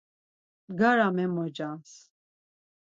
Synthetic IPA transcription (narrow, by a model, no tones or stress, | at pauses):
ɡaɾamɛmɔd͡ʒas